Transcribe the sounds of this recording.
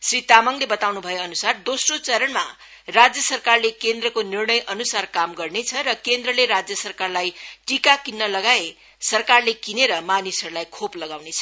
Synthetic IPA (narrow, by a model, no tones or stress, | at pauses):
srit̪amʌŋlebʌt̪awnubʱʌjoʌnusard̪osrot͡sʌɾʌɳma | rad͡zjʌsʌrkarlekend̪rʌkonirnʌjʔʌnusarkamɡʌrnet͡sʰʌɾʌkend̪rʌleɾad͡zjʌsʌrkarlajʈikakinːʌlʌɡae | sʌrkarlekineɾʌmanisʌɾulajkʰoplʌɡawnet͡sʰʌ̥